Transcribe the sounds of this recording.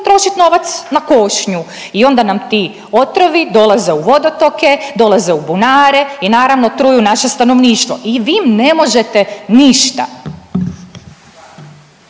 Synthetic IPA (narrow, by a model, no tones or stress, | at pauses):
t̪ɾo̞ʃit̪no̞ʋat̪snako̞ʃɲu | io̞nd̪anamt̪i | ot̪ɾoʋid̪o̞lˠaze̞uʋo̞d̪o̞t̪o̞ke̞d̪o̞lˠaze̞ubunaːɾe̞inaːɾaʋno̞t̪ɾuːjunaʃe̞st̪ano̞ʋniːʃt̪ʋo̞̰ʔiʋiːmnemo̞ʒe̞t̪eniʃt̪a̰